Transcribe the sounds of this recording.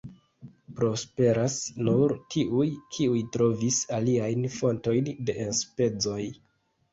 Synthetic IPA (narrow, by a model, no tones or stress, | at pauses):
pɾo̞spe̞ɾasnuɾtʰiʔujkʰiujtɾo̞visaliajnfo̞nto̞jnde̞ʔenspe̞d͡zo̞j